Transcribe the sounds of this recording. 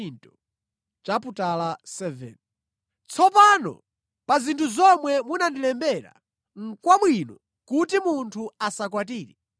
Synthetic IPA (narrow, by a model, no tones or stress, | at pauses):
ntɔ | t͡ʃaputalasɛvɛ̰n | t͡sʰɔpanɔ̰ | pazintʰuzɔmwɛmunandilɛmbɛɾa̰ | ŋ̩kwamwinɔ | kutimuntʰuasakwatiːɾɛ